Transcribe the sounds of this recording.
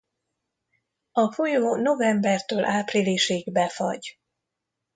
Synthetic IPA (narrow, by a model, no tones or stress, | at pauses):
ɒfojoːno̞vɛmbɛrt̪øːlʔaːpriliʃeːɡbɛfɒ̰ɟ